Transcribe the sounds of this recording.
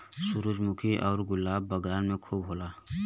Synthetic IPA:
sʊɾud͡ʒmʊkʰiʔɔːɾɡʊlːaːbːəɡaːnmẽkʰuːbɦoːlaː

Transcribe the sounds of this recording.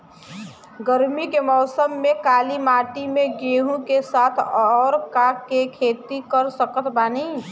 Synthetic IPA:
ɡəɾmikemɔːsəmːẽkaːlimaːʈimẽɡeɦũkesaːt̪ʰɔːɾkakekʰeːt̪ikəɾsəkət̪ʰbaːniː

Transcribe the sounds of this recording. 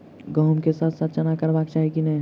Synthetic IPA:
ɡəɦmkesaːt̪ʰsat̪ʰt͡ʃənakəɾbakt͡ʃaɦikinɛ

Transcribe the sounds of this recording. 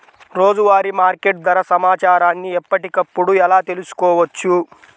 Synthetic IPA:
ɾo̞ːd͡ʒuʋaːɾimaːɾkeʈd̪ɐɾɐsɐmaːt͡ʃaːɾaːnːiɛpːɐʈikɐpːuɽuɛlaːt̪e̞lusu̥kɔːʋɐt͡ʃːu

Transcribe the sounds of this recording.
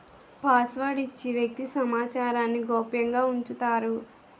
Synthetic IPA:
paːsʋaɽit͡ʃːiʋjɐk̚t̪isɐmaːt͡ʃaːɾaːnːiɡɔːpjɐŋɡaːuɲt͡ʃut̪aːɾu

